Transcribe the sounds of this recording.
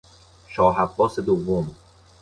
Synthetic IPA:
ʃɒːɦæbːɒːsed̪ovːom

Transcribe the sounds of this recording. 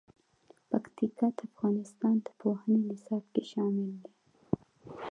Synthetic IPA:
pakt̪ikɑt̪aafɣɑnɪst̪ɑnd̪ə̥pohənenɪsɑbkeʃɑmɪld̪i

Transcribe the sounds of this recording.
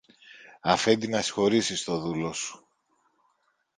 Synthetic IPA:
ɐfe̞nd̪inɐsi̥xo̞ɾisist̪o̞ðulo̞su̥

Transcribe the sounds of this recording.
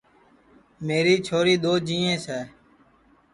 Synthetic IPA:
meːɾiːt͡ʃʰoːɾiːɗ̪oːd͡ʒĩːẽːsɛː

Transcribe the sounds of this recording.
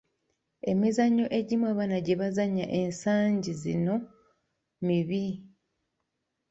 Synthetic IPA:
e̞mizaɲːo̞ʔe̞ɟimwaβanaɟe̞βazaɲaʔe̞nsaːɲɟizino̞ | miβi

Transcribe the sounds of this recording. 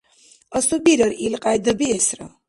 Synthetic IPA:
ɔsubiɾəɾilqʼajd̪əbiɛsɾa̰

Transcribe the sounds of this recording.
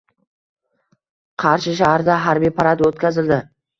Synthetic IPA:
qʰɑɾʃɪʃ̬ahaɾd̪aɦaɾbijpʰaɾad̪wɵt̪̚kʲʰazɪld̪ɪ

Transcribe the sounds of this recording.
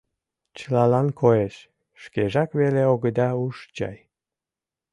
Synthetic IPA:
t͡ɕəlɑlɑnkʰoeʃ | ʃkeʒɑkβeleoɣəd̪ɑuʃt͡ɕɑ̰j

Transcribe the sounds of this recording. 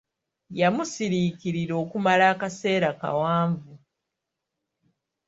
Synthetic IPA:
jamusiɾiːkiɾiɾo̞ːkumalaːkase̞ːɾaka̰waːɱvu

